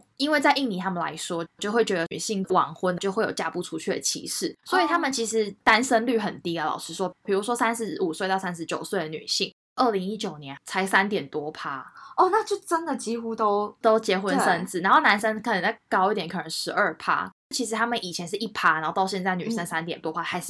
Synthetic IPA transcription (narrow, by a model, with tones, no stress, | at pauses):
i˥nwe˥˧ɪt͡sa˥˧ɪʔi˥˩ŋni˨˩t̪ʰa˥mə˨nla̰˧˦ɪʂwɔ˥t͡ɕjʊxwe˥˩ɪt͡ɕɥɛ˧˥d̪ə˧y˨˩ɕi˥˧˩ŋwɑ̰˨˩˦ŋxwə˥nt͡ɕjo˥˧ʊxwe˥˩jo̰˨˩t͡ɕja̰˥˧pu˥˩ʈ͡ʂʰu˥t͡ɕʰy˥˩d̪ə̰˩t͡ɕʰḭ˧˥ʂɻ̩̰˥˩swɔ˧˥i˨t̪ʰa˥mə˨nt͡ɕʰi˧˥ʂɻ̩˧˥t̪a˥nʂə˥nly˥˨˩xə˨˩nt̪i˧˥ə˨˩lɑ̰˨˩ʊʂɻ̩˥ʂwɔ˦˥pʰi˨˩ɻu˧˥ʂwɔ˥sa˥nʂɻ̩˧˥u˨˩swe˥ɪt̪ɑ˥˧ʊsa˥nʂɻ̩˧˥t͡ɕjo˨˩ʊswe˥˩ɪd̪ə˩ny̰˨˩ɕi˥˩ŋ | ʔə˥˩li˧˥ŋi˦˥t͡ɕjo˨˩ʊnjɛ˧˦nt͡sʰa˧˥ɪsa˥nt̪jɛ˨˩nt̪wɔ˥pʰa˥ɔ˥˩na˥˨t͡ɕjo˥˩ʊʈ͡ʂə˥nd̪ə˨t͡ɕi˥xu˥t̪o˥ʊt̪o˥ʊt͡ɕjɛ˧˥xwə˧˦˥nsə˦˥nt͡sɹ̩˥˩na˧˥nxo˥˩ʊna˧˥nʂə˥nkʰə˨˩nə˧˦na˥˩kɑ˥ʊi˥˩t̪jɛ˨˥ŋkʰɤ˨˩ə˧˥ŋʂɻ̩˧˥ʔə˞˥˩pʰa̰˥ | t͡ɕʰi˧˥ʂ̬ɻ̩˧˥t̪ʰa˥mə˨nʔi˨˩t͡ɕʰjɛ˧˥nʂ̬ɻ̩˥˩ʔi˥˩pʰa˥na˨˧˦o˥˧t̪ɑ˥˧ʊɕjɛ˥˧nt͡sa˥˩ɪny̰˨˩ʂə˥nsa˦nt̪jɛ˨˩nt̪wɔ˥pʰa˦˥xa˧˥ɪʂ̩˥